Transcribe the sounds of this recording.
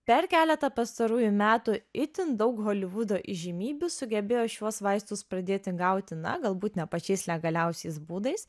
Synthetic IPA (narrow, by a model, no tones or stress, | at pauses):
pʲɛɾkʲæːlʲɛt̪ɐpɐst̪ɐɾuːjʊmʲæːt̪ʊɪt̪ʲɪnd̪ɒʊkɦoːlʲɪʋʊd̪oːʔɪʒʲɪmʲiːbʲʊsʊɡʲɛbʲeːjoːʃʲuɔsʋɐɪst̪ʊspɾɐd̪ʲeːt̪ʲɪɡɐˑʊt̪ʲɪnɐ̰ɡɐlˠbuːt̪nʲɛpɐt͡ʃʲɛɪslʲɛɡɐlʲɛʊsʲɛɪsbuːd̪ɐɪs